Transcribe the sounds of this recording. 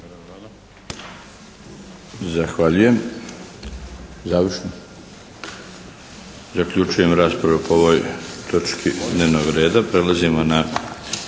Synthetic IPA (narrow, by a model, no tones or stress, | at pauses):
zaxʋaʎuje̞m | zaːʋrʃno | zakʎut͡ʃuje̞mɾaːspɾaʋupooʋo̞ːjt̪ʰo̞t͡ʃkʰid̪neːʋnoɡɾe̞ːd̪apɾe̞lazimo̞na